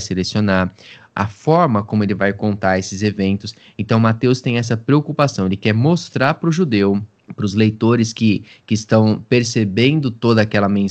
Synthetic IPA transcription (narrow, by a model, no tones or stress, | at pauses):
jselesionaɾ | ɐ̰fɔɾmɐkõmʊelɪvajkõnt̪aɾesɪzevẽnt̪ʊs | ẽnt̪ɐ̃w̃mat̪ewst̪ẽj̃ɛs̬ɐpɾeokupasɐ̃w̃elɪkɛɾmost̪ɾaɾpɾʊʒud̪ew | pɾʊzlejt̪oɾɪskɪkɪːst̪ɐ̃w̃peɾsebẽnd̪ʊt̪od̪ɐakɛlɐmẽ